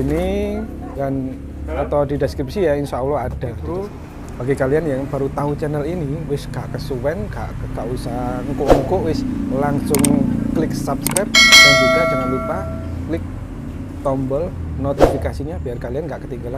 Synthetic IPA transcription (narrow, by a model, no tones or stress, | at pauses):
ini | dan | at̪awdideskɾipsijainsaulɔad̥at̪ | b̥aɡikalianjaŋb̥a̤ɾut̪aut͡ʃɛnəliniwɪsɡ̥aʔkəsuwɛnɡa̰ʔɡaʔusaŋkʊʔŋkʊʔwɪslaŋsʊŋklɪksapskɾap̚d̥and͡ʒuɡad͡ʒumanlupa | klɪk̚ | t̪ɔmbəlnot̪ifikasiɲab̥i̤arkalianŋɡaʔkət̪iŋɡala